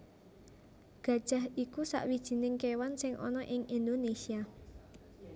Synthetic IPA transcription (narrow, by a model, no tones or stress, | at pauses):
ɡ̥a̤d̥ʒ̥a̤ɦikusa̰ʔwid̥ʒ̥i̤nɪŋkewansɪŋʔɔ̰nɔʔɪŋʔind̪onesia